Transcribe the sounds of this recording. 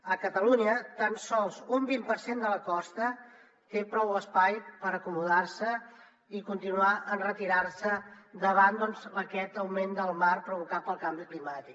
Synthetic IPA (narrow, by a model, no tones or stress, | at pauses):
əkət̪əluɲət̪ansɔlˠzumbimpəɾsend̪ələkɔst̪ə | t̪epɾɔwəspajpəɾəkumuðarsə | ikunt̪inuaʔənrət̪iɾarsəd̪əβ̞and̪ɔnzəkɛt̪əwmend̪əlˠmarpɾuβukat̪̚pəlˠkambiklimat̪ik